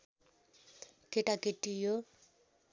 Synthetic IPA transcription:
keʈakeʈːijo

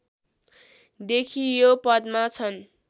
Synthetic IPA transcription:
d̪ekʰijopʌd̪̚mat͡sʰʌn

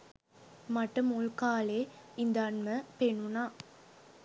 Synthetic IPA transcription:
mɐʈːɯmʊɭkaːleːɪnd̪ɐɐɳmɐpeɳːunaː

